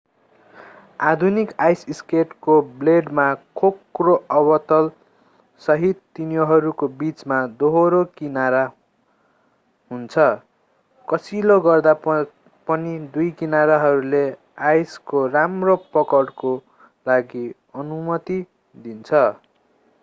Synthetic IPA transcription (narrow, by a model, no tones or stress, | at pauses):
ad̪ʱunikajsiskeʈkobleɖmakʰokroʔʌbʌt̪ʌl | sʌɦit̪ːinjoɦʌɾukobit͡smad̪oɦoɾokinaɾa | ɦunt͡sʰʌ | kʌsiloɡʌrd̪a | pʌnid̪ujkinaɾaɦʌɾule | ajskoramropʌkʌɽko | laɡi | ʌnumʌt̪i | d̪int͡sʰʌ